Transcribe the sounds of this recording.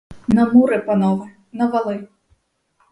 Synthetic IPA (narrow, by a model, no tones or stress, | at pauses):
nɐmuɾɨpanɔvɨ | nɐvalˠɨ